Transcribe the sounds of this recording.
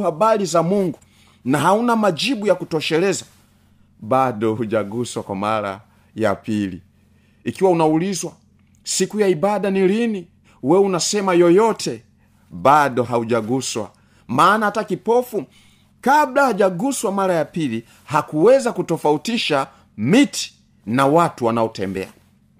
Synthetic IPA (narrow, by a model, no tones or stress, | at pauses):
abalizamuŋɡu | naɦaunamad͡ʒibujakutɔʃɛlɛza | baɗɔhuʄaɡuswakwa̰ma̰ɾa̰ | ja̰pilḭ | ikiwaunaulizwa | sikujaibaɗanilini | wɛunasɛmajɔjɔtʰɛ | baɗɔɦauʄaɡuswa̰ | maːnahatakipɔfu | kablahaʄaɡuswamaɾajapili | hakuwɛzakutɔfautiʃa | mitʰi̥ | nawatuwanaɔtɛ̰mbɛ̰a̰